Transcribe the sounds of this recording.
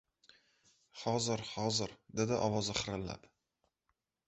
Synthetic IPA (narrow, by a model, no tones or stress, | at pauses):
hɒzɪɾhɒzɪɾd̪ed̪ɪʔɒwɒzɪχɨɾɪlːa̰p